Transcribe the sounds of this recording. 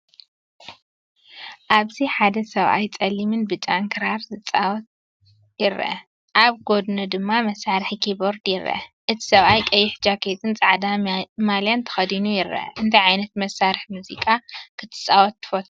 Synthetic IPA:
ʔaβziħad̪ɐsɐβʔa̰jt͡sʼɐlːimɨnbɨt͡ʃʼaŋkʰɨɾaɾzɨt͡sʼawɔt̪̚ | jɪɾɐ̰ | ʔaβɡo̞d̪nɨd̪ɨmːamɐsːaɾɨħikʰiboɾd̪jɪɾɐ̰ʔɨt̪ʰi̥sɐβajkʼɐjːɪħd͡ʒakʰet̪ʼɨnt͡sʼaʕd̪amaljant̪ʰɐ̥xɐd̪inujɪɾʔɐ̰ʔɨnt̪ʰajʕajnɐt̪mɐsːaɾɨħmuzikʼakʰɨt̪ʰɨ̥t͡sʼawɔt̪ːɨ̥fot̪

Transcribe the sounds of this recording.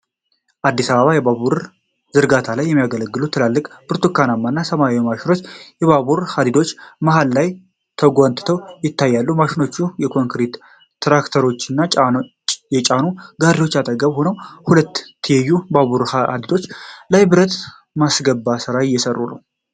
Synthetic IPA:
ʔad̪ːisaβəβajɛbaβuɾ | zɨɾɡat̪ʰalajːɛmːijaɡələɡːɨlut̪ʰːɨlalːɨkʼb̥ɨɾt̪ʰukːanamːanːasəmamaʃɪno̞t͡ʃːjɛβaβuɾhad̪id̪o̞t͡ʃːmaɦalːaj | t̪ʰəɡʷant̪ɨ̥t̪ʰəwjɪt̪ʰːajːalːumaʃɪno̞t͡ʃːujɛkʰo̞ŋkɾit̪ː | ɾakt̪ʰəɾo̞t͡ʃːɨnːa | jɛt͡ʃʼanuɡaɾiwo̞t͡ʃːat̪ʼəɡəβho̞nəwhulət̪ːʰɨjɛjːubaβuɾd̪id̪o̞t͡ʃːlajbɨɾət̪ | masɡəbːasɨɾajɪjːɛsərːṵnə̰w

